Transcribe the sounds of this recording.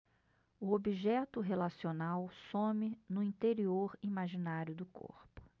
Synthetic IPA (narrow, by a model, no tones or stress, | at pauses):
ʊobiʒɛt̪ʊɦelasionawsõmɪnʊĩnt̪eɾioɾimaʒinaɾjʊd̪ʊkʰo̰ɾpʊ̥